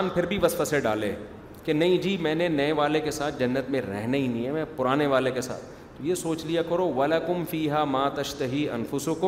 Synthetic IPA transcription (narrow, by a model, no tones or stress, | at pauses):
npʰɪɾbʱiʋɐsfəseɖa̰ːlḛː | kenɐɦĩd͡ʒiːmɛ̃ːnenɐeʋaːlekesaːt̪̚ʰd͡ʒɐnːət̪mẽɾɛ̰ɦneɦinĩə̃mɛ̃pʊɾaːneʋaːlekesa̰ːt̪ʰːojesoːt͡ʃlijakɐɾoːʋɐlɐkʊmfiːɦaːmaːt̪ɐʃt̪ɐɦiːɐ̰nfʊsʊkʊ